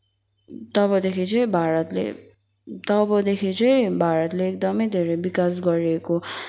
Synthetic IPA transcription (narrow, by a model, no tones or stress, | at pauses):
t̪ʌβʌd̪ekʰit͡sʰʌj̃bʱaɾʌt̪lḛ | t̪ʌbʌd̪ekʰit͡sʌjbʱaɾʌt̪leːk̚d̪ʌmʌjd̪ʱeɾʌbikas̬ɡʌɾieko